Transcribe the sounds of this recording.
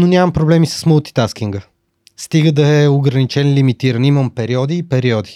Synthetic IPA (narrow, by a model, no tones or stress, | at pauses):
nonʲamɐmpɾoblɛmisə̥sməlˠt̪i̥t̪askiŋɡə | st̪iɡəd̪ɐɛoɡɾɐnit͡ʃɛnlimit̪iɾəniməmpɛɾiɔd̪iːpɛɾiɔd̪i